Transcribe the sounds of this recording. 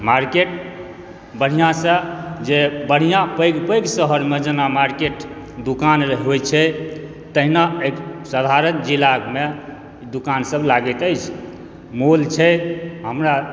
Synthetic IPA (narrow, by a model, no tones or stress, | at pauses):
maɾkeʈ | bəɽ̤ijãsə̃d͡ʒebəɽ̤ijãpəjɡpəjɡsəɦəɾmed͡ʒənamaɾkeʈ | d̪ukanɾəɦiɦojt͡ʃʰɛ | t̪əɦinaeksəd̪ʱaɾənd͡ʒilaɡme | d̪ukansəblaɡət̪əjt͡ʃʰ | molt͡ʃʰɛɦəmɾa